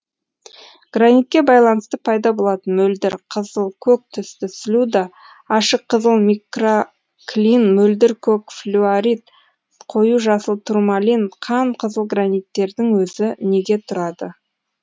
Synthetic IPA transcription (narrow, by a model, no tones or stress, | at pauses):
ɡ̥ranijt̪̚kʲe̞bɑjlˠɑnəst̪əpʰɑjd̪ɑbo̞lˠɑt̪ənmɵld̪ɪɾqʰəzəlˠkʲʰɵk̚t̪ʰʏst̪ɪslʲud̪a | ɑʃəqʰːəzəlˠmikro | klʲinmɵld̪ɪɾkʲʰɵkflʲuaɾit̪ | qʰo̞juʒɑsəlˠt̪ʰurmalʲinqʰɑɴqʰəzəlˠɡranijt̪ːe̞ɾd̪ɪŋwɵzɪne̞ɡʲe̞t̪ʰʊɾɑd̪ə